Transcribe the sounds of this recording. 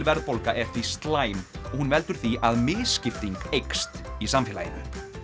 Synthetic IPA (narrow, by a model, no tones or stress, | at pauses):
lvɛɾðpowlkaʔɛft̪ist̪laːjmɔɣhunvɛlt̪ʏɾ̥θiʔaðmɪːðscɪft̪iŋkejkst̪isamfɪla̰jɪ̰nʏ